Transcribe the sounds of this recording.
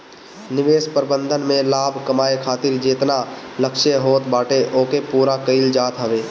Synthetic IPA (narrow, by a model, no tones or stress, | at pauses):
nɪʋeːspəɾbə̃nd̪ʱənmẽlaːbʱkəmaːekʰaːt̪ɪɾd͡ʒeːt̪naləkʃeɦoːt̪baːʈeʔoːkepuːɾakəɪld͡ʒaːt̪ɦəʋeː